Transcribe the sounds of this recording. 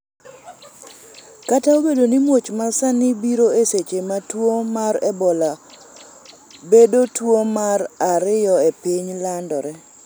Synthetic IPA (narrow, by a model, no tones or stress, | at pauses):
kataobedonimwot͡ʃmasanɪbiɾoeset͡ʃematwomaɾɛbɔla | bedotwomaɾaɾɪjɔepiɲlandɔɾɛ